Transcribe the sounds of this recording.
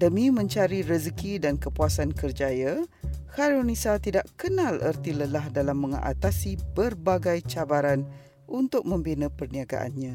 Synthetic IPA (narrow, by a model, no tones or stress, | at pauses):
dəmĩmə̃ɲt͡ʃaɾirəzəkidankəpuasankərd͡ʒajahaɾonisat̪idaʔkənãlərt̪iləlahdalamːə̃ŋʔa̰t̪asibərbaɡajt͡ʃabaɾan | ʔunt̪ʊk̚mə̃mbinə̃pərniaɡa̰ʔa̰nɲã